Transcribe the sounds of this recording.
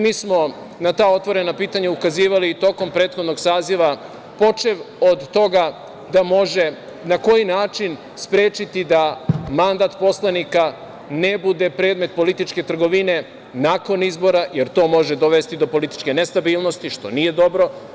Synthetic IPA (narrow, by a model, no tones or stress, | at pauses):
miːsmo̞ | nat̪aːo̞t̪ʋo̞ɾe̞napiːt̪aɲaukaziːʋaliːt̪o̞ko̞mpɾeːt̪xo̞d̪no̞ɡsaːziʋa | po̞t͡ʃeʋod̪ːo̞ɡa | d̪amo̞ʒe̞ | nako̞jinaːt͡ʃin | spɾeːt͡ʃit̪id̪amand̪aːt̪po̞slanika | ne̞bud̪e̞pɾe̞ːd̪me̞t̪̚po̞lit̪it͡ʃke̞t̪r̩ɡo̞ʋine̞ | nako̞nizbo̞ɾajeɾt̪o̞ːmo̞ʒed̪o̞ʋe̞st̪id̪o̞po̞lit̪i̥t͡ʃke̞nest̪abiːlnost̪iʃt̪onije̞d̪o̞bɾo̞